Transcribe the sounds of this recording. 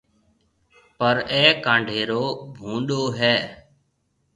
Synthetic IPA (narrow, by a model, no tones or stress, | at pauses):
pəɾɛːkãːɳɖʱeːɾoːbʱũːɗoːɦɛː